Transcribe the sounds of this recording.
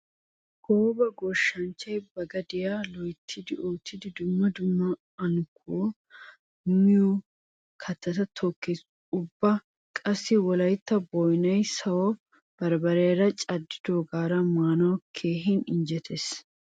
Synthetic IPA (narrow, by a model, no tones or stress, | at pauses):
hoːbɐɡɔʃːɐnt͡ʃɐjbɐɡɐd̪ɪjaːlɔjt̪ʰːɪd̪ɪoːt̪ːɪd̪ɪd̪ʊmːɐd̪ʊmːɐ | ɐnkʰːo | mɪju | kʰɐt̪ːɐt̪ɐt̪ʰɔkːes | ʊbːɐ | kʼɐsːɪwɔlɐjt̪ːɐbɔjnɐjsɐwɔ | b̥ɐɾbɐɾeːɾɐt͡ʃʼɐd̪ːɪd̪oːɡaːɾɐmaːnɐwɐkʰe̞ːɦɪnɪnd͡ʒɛt̪ʰes